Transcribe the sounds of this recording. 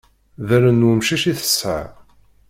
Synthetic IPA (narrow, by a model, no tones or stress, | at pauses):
ðæɾənumʃiʃiθə̥sʕa̰